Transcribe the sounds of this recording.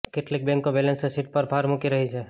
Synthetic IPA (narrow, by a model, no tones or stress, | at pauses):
keʈlɪk̚bẽŋkːobeːlẽnsesiʈ̚pɐɾbʱaːɾmukiɾɐɦid͡ʒʰɛː